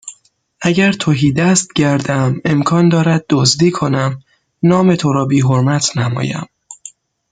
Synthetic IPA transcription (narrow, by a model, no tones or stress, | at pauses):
ʔæɟæɾt̪ʰoɦiːd̪æst̪ɟæɾd̪æme̞mkʰɒːnd̪ɒːɾæd̪̚ːozd̪iːkʰo̞næm | nɒːme̞t̪ʰoɾɒːbiːɦoɾmæt̪ʰnæmɒ̰ːjæ̰m